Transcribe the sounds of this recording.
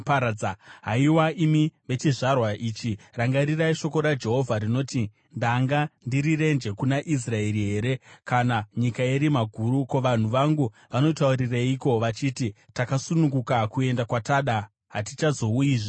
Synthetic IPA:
paaɦaiwaʔimiʋe̞t͡ʃiʐarwaʔiːt͡ʃiraŋɡaɾiraiʃo̞ko̞ɾad͡ʒe̞ɦo̞vʱaɾino̞ti | ndaŋɡandiɾire̞nd͡ʒe̞kunaʔis̬rae̞ɾiɦe̞ːɾe̞kanaɲikaeɾimaɡʱuːɾuko̞ʋan̤uʋaŋɡu | ʋano̞tauriraiko̞ʋat͡ʃiti | takasunuŋɡukakue̞ndakwataɗa | ɦatit͡ʃazo̞ujiʐe

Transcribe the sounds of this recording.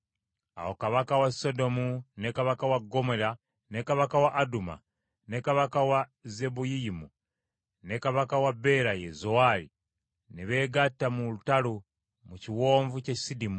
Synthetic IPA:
a̰wo̞kaβakawaso̞do̞munekaβakawaɡːo̞mo̞la | ne̞kaβakawaʔːduma̰ | ne̞kaβakawaze̞bujiimu | ne̞kaβakawabe̞ɾajezowalḭ | neβe̞ːɡatːamulutalu | muciwo̞ːɱvucecisidimu

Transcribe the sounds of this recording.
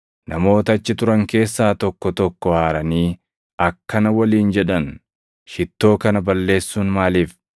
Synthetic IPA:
nɐmo̞ːt̪ɐɐt͡ʃːɪt̪ʊɾɐŋke̞ːsːaːt̪ɔkːɔt̪ɔkːɔhaːɾɐniː | ɐkːɐnɐwɐliːnd͡ʒɛᶑɐn | ʃɪt̪ːo̞ːkɐnɐbɐlːe̞ːsːuːnmaːliːf

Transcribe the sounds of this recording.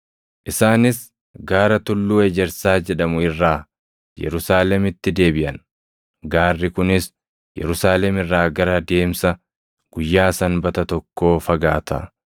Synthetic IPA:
ʔɪsaːnɪs | ɡaːɾɐt̪ʊlːuːɛd͡ʒɛɾsaːd͡ʒɛᶑɐmʊɪrːaː | jɛ̰ɾʊsaːlɛmɪt̪ːɪd̪e̞ːbɪʔɐn | ɡaːrːɪkʊnɪs | jɛ̰ɾʊsaːlɛmɪrːaːɡɐɾɐd̪e̞ːmsɐ | ɡ̥ʊjːaːsɐnbɐt̪ɐt̪ɔkːo̞ːfɐɡaːt̪ɐ̰

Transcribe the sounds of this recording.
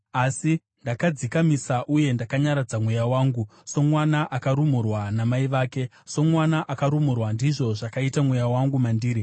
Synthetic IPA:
asi | ndakad͡zikamisaʔuje̞ndakaɲaɾad͡zamwejawaːŋɡuso̞mwanaʔakaɾumurwanamaiʋaːke̞ | so̞mwanaʔakaɾumurwandiʐo̞ʐakaitamwejawaŋɡumandiːɾi

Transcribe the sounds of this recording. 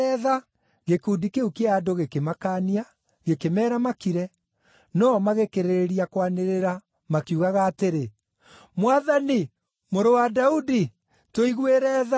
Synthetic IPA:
ɛða | ɣekuːdikeukeaːdoɣekemakania | ɣekemɛːɾamakiɾɛ | nɔmaɣekeɾeɾeɾiakwaneɾeɾa | makiuɣaɣaːteɾe | mwaðani | moɾowadaudi | toiɣweɾɛːða

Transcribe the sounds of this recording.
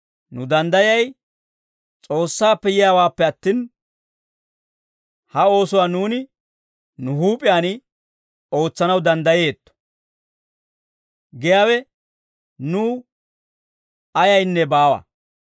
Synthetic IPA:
nʊd̪ɐnd̪ɐjɐj | t͡sʼo̞ːsːaːpːɛjɪjaːwaːpːɛɐt̪ːiːn | hɐo̞ːsʊwaːnuːnɪ | nʊhuːpʼɪjaːnɪ | o̞ːt͡sːɐnɐwd̪ɐnd̪ɐje̞ːt̪ːɔ̥ | ɡɛjaːwɛ | nuː | ɐjɐjnːɛbaːwɐ̰

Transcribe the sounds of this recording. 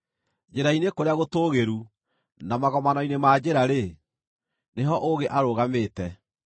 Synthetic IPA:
d͡ʒeɾainekoɾeaɣotoːɣeɾu | namaɣɔmanɔinemaːd͡ʑeɾaɾe | neɦɔʔoɣeʔaɾoːɣameːtɛ

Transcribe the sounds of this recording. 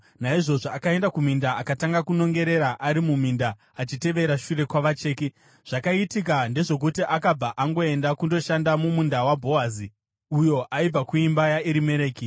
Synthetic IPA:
naiʐo̞ʐoakae̞ndakum̤indaakataŋɡakuno̞ŋɡe̞ɾe̞ɾaʔaɾimumindaː | t͡ʃite̞ʋe̞ɾaʃure̞kwaʋat͡ʃeːki | ʐ̥akaitik̬ande̞ʐo̞kutiʔakab͡vaʔaŋɡo̞e̞ndakundo̞ʃandamumundawabʱo̞azi | ujo̞ʔaib͡vakuimbajaiɾime̞ɾeːki

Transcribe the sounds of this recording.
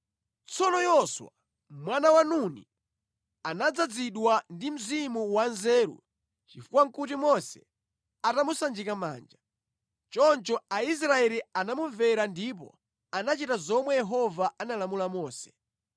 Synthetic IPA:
t͡sɔnɔjɔswa̰ | mwanawanunḭ | anad͡zad͡ziɗwandim̩zimuwanzɛːɾṵ | t͡ʃifukwaŋ̩kut̬imɔsɛ̥ | atamusand͡ʒikama̰ːnd͡ʒa | t͡ʃɔnt͡ʃɔais̬ɾaɛlianamuɱvɛɾandip̬ɔ̰ | anat͡ʃitazɔmwɛjɛɦɔvaanalamulamɔːsɛ̥

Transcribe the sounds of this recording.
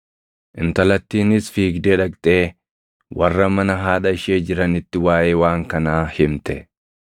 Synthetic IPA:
ʔɪnt̪ɐlɐt̪ːiːnɪsfiːɡd̪eːᶑɐkt̪ʼe̞ː | wɐrːɐmɐnɐɦaːᶑɐɪʃeːd͡ʒɪɾɐnɪt̪ːɪwaːjeːwaːŋkɐnaːhɪmt̪ɛ

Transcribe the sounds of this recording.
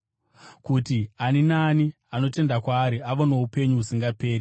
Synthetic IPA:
kutianinaːni | ano̞te̞ndakwaːɾiaʋono̞upe̞ɲuusiŋɡape̞ːri

